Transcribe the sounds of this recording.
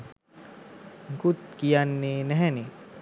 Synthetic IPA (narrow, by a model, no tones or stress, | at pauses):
ɡut̪̚kijanːeːnɛɦɛne